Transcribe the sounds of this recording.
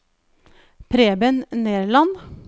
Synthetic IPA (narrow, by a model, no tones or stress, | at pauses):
pʰɾeːbənneːɾɭɑn